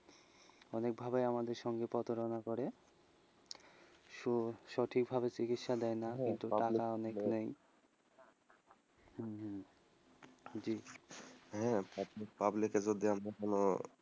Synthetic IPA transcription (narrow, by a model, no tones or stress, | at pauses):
ɔnek̚bʱabejamad̪eɾʃɔŋɡepɔt̪oɾonakoɾe | ʃoʃɔʈʰik̚bʱaβet͡ɕikit̪ʃad̪ɛenakint̪uʈakaɔneknej | d͡ʑi | ɦɛ̃pabikpabliked͡ʑod̪iamɾakono